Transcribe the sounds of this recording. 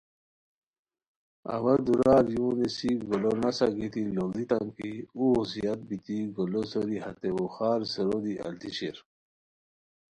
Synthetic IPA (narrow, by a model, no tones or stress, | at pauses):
ɐ̰wɐd̪uɾaːɾjũːnisiɡolonasaɡit̪iloŋd̪it̪amkiuusijat̪̚bit̪iɡolosoɾihɐt̪ewoxaːɾsəɾod̪iʔɐ̰lt̪iɕiɾ